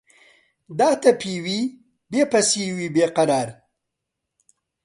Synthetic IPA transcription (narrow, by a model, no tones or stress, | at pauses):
d̪ɑːt̪apiwi | bepɐsiwibeqaɾɑːɾ